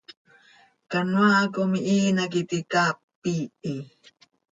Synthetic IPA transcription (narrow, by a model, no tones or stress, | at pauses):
kanwakomiʔiːnakit̪ikaːpː | ii